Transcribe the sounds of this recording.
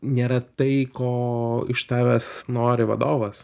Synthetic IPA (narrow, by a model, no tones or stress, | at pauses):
nʲeːɾɐt̪ɐɪkoːɪ̰ʃt̪ɑːʋʲɛsnoːɾʲɪʋɐ̰d̪oːʋɐs